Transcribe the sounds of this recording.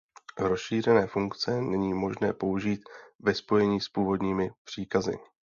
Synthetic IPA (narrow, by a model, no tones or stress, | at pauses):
ɾo̞sʃiːr̝ɛnɛːfuŋkt͡sɛnɛɲiːmo̞ʒnɛ̰ːpo̞uʒiːt̪vɛspo̞jɛɲiːspuːvo̞dɲiːmɪpr̝̥iːkazɪ̰